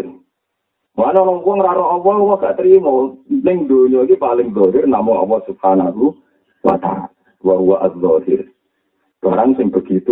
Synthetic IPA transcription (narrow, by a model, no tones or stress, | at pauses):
mɔanɔɾɔŋpuwɔŋɾaɾɔʔɔwɔwɔɡ̥aʔt̪əɾimɔnɪŋd̪oɲɔkipalɪŋzɔɦɪrnamʊŋɔ̰wɔsub̥̚hanaɦu | wa̰t̪a̰a̰ | waɦuwaʔaðːɔɦɪr | b̥aɾaŋsɪŋb̥əɡ̥it̪u